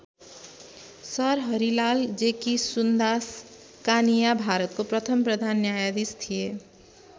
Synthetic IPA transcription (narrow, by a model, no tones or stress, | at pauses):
sʌɾɦʌɾilald͡ʒekisund̪as | kanijabʱaɾət̪̚kopɾʌt̪ʰəmpɾəd̪ʱanːjajad̪ist̪ʰije